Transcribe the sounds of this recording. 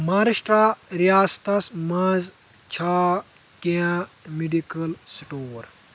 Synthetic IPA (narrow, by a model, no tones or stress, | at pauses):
maːɾiʃʈɾaɾijaːst̪ɐsmɐz | t͡ʃʰa | keamiɖikɐlsʈoːɾ